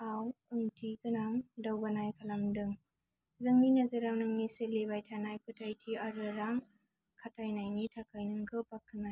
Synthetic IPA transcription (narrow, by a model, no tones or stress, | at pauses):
awɯŋtʰiɡɯnaŋdawbanajkʰalamdɯŋ | zɯŋminazɯɾaŋnɯŋniselebajtʰanajpʰɯtʰajtʰiaɾɯɾaŋ | kʰatʰajnajnitʰakʰajnɯŋɡɯpakʰːɯnaj